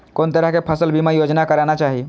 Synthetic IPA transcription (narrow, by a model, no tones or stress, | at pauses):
kont̪əɾəɦkepʰəsəlbʱimajod͡ʒnakəɾanat͡ʃaɦi